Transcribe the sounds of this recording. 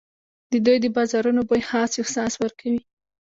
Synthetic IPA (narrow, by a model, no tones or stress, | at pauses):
d̪̥əd̪ujd̪əbɑzɑɾunobojhɑsehsɑswəɾkʰawi